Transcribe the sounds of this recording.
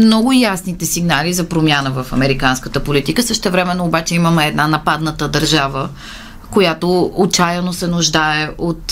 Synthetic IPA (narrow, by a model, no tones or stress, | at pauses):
mnɔɡʊjasnit̪ɛsiɡnalizɐpɾomʲjanəvəfɐ̰mɛɾikanskət̪əpolit̪ikəsəʃt̪ɛvɾɛmɛnːoːbat͡ʃɛiməmɛːd̪nanɐpad̪nət̪əd̪əɾʒavə | kojat̪oːt͡ʃajənosɛnʊʒd̪aɛʔot̪